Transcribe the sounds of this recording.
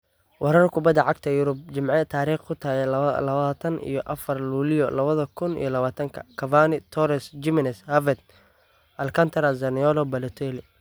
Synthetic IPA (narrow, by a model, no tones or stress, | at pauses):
wʔɑɾɐrkʰʊbɐd̪ɐʕɑɡ̚t̪ʰɐjʊɾʊb̚t͡ʃɪmʕɛt̪ʰaːɾiːχkʰʊt̪ʰaːɣɛlɐaːt̪ʰɐnḭjɔʔɐfɐrluːlɪjɔlɐβɐðɐkʰʊnḭjɔlɐβaːt̪ʰɐŋkʰɐ̰kʰɐvaːnɪt̪ʰɔɾɛsd͡ʒɪmɪnɛshɐvɛd̪̚ | ʔɐlkʰɐnt̪ʰɐɾɐzɐnɪɔlɔbɐlɛt̪ʰɛlɪ